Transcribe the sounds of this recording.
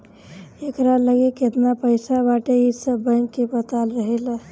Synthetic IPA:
ekɾaləɡeket̪napəjsabaʈeisəbəkːebət̪alɾəɦela

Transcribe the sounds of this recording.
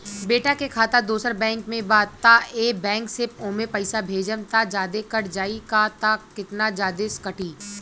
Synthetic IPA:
beːʈakekʰaːt̪ad̪oːsəɾbɛ̃ːŋkmẽbaːt̪aʔeːbɛ̃ːŋksɪpõːmepɐɪsabʱeːd͡ʒənt̪ad͡ʒaːd̪ekəɾd͡ʒaːikat̪akɪt̪nad͡ʒaːd̪eskəʈiː

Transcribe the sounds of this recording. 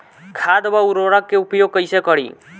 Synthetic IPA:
kʰaːd̪bauɾoɾək̚ːeupjoːɡ̚kəjsekəɽḭː

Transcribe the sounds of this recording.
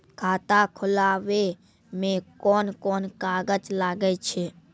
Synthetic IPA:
kʰaːt̪akʰʊlaːʋe | mẽkɔːnkɔːnkaːɡət͡ʃlaːɡəet͡ʃʰeː

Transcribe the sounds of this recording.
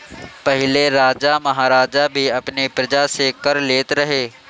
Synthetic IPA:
pɐɦɪleɾaːd͡ʒamɐɦaːɾaːd͡ʒabʱiɐpnepɾɐd͡ʒaseːkɐɾleːt̪ɾɐɦeː

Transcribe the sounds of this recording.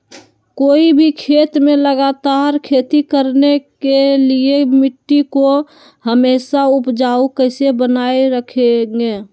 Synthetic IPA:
koːibʱikʰeːt̪mẽləɡat̪aɾkʰeːt̪ikəɾnekeliemɪʈːiko | ɦəmeːsaʊpd͡ʒaːukəɪsebənaːeɾəkʰeŋeː

